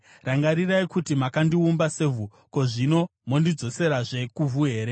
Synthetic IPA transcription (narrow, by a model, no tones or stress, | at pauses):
raŋɡaɾiraikutimakandiumbase̞vu | ko̞ʐino̞mo̞ndid͡zo̞se̞ɾaʐe̞kuvuɦe̞ːɾe̞